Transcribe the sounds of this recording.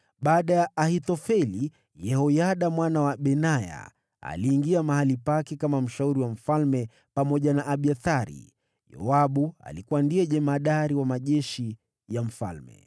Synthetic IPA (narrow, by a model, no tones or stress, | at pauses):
ɓaːɗajaʔahit̪ɔfɛli | jɛhɔjaɗamwanawaɓɛnaja̰ | a̰liːŋɡiamahalipakɛkamam̩ʃauɾiwam̩falmɛ | pamɔʄanaʔaɓiaθaɾḭ | jɔ̰aɓua̰likuwandiɛʄɛmaɗaɾiwamaʄɛʃi | jam̩fa̰lmɛ̰